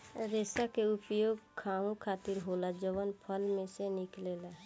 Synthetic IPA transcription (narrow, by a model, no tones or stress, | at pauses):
ɾeːsakeʊpjoːɡkʰaːũkʰaːt̪ɪɾɦoːlad͡ʒəʋənpʰəlmẽsenɪkleːla